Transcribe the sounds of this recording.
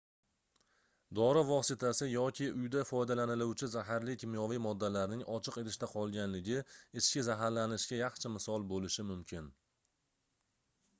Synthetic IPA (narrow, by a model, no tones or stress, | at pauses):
d̪ɒɾɪvɒsɪt̪ʰasɪjɒkʲʰɪʔʊjd̪afɒjd̪alanɪlʊwt͡ʃʰɪzaɦaɾlɪkʲʰɪmjɒvijmɒd̪ːalaɾnɪŋʔɒt͡ʃʰɪqe̞t̪ʰɪ̥ʃt̪aqʰɒlˠɡʲanlɪɡʲɪɪt͡ʃkʲɪzaɦaɾlanɪʃkʲajɑχt͡ʃʰamɪsɒlˠbolɪʃɪmʊmkʲʰɪn